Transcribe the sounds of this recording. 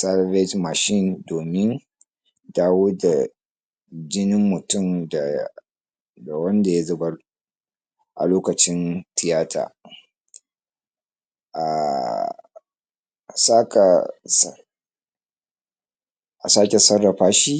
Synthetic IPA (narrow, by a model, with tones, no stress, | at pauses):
sa˦lbe˦tma˨ʃɪ˦˨ndoː˨mɪ˦n | daː˦woː˦da˨ | d͡ʒɪ˦nɪ˦mːʊ˨tʊ˦˨mda˨ | da˨wɐ˦nda˨ja˦zɐ˨bɐ˦r | ʔa̰˨loː˦kɐ˨t͡ʃɪ˦ntɪ˨jaː˦tʰa̰ː˨ | ʔa̰˨ | saː˦ka˨s | ʔa˨saː˦kʲe˨sɐ˦rːɐ˨ɸaː˦ʃi˦